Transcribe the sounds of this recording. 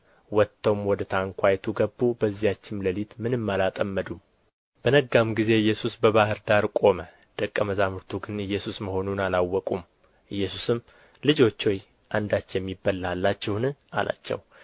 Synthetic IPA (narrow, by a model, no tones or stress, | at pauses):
wɔt̪ʰːəwmwɔd̪ət̪ʰaŋkʷʰajt̪ʰuɡəbːubəzːijat͡ʃːɪnləlit̪mɨnɨmːalat̪ʼəmːəd̪um | b̥ənəɡːamɡize̞ɨjːɛsusbəβahɨɾd̪aɾkʼo̞mə | d̪̥əkʼːəməzamuɾt̪ʰuɡɨnɨjːɛsusməho̞nunalawːɔkʼum | ʔɨjːɛsusɨm | lɨd͡ʒo̞t͡ʃːo̞j | ʔand̪at͡ʃːjɛmːibːəlːalːat͡ʃːɛwnɨa̰la̰t͡ʃːɛ̰w